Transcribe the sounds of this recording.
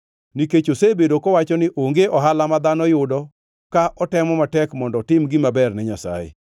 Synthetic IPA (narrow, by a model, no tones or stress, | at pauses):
niket͡ʃosebedokɔwat͡ʃɔnɪʔoŋɡeʔɔɦalamad̪anɔjʊdɔ | kaʔɔtɛmɔmatɛkmɔndɔtɪmɡɪmabɛrnɛɲasa̰jḛ